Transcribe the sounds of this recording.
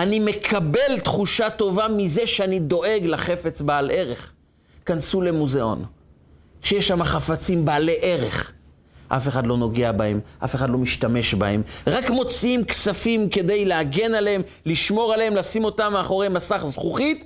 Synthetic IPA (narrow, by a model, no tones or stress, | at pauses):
anime̞kʰabe̞lt̪χuʃato̞vamizeʃeanid̪o̞ʔe̞ɡlaχe̞fe̞t͡sbaalʔe̞ʁe̞χ | kansulemuze̞o̞̰n | ʃejeʃhamaχafat͡simbaale̞ʔe̞ʁe̞̰χ | ʔa̰fe̞χad̪lo̞no̞ɡeabahemʔa̰fe̞χadlo̞miʃtame̞ʃba̰e̞mʁakmo̞t͡siimksafimke̞de̞jleaɡe̞naleem | liʃmo̞ʁaleemlasimo̞tameaχo̞ʁejmasaχzχuχit